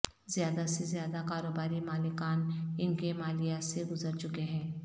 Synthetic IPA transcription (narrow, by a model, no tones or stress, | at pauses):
zɪjaːd̪asezjaːd̪akaːɾoːbaːɾimaːlɪkaːnɪnkemaːlijaseɡʊzəɾt͡ʃʊkeɦɛ̃ː